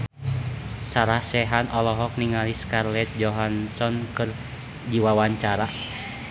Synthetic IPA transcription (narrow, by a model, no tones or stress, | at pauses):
saɾahsɛɦanɔlɔɦɔk̚niŋaliskarlɛt̪̚d͡ʒɔɦansɔnkɨr | d͡ʒiwawaɲt͡ʃaɾa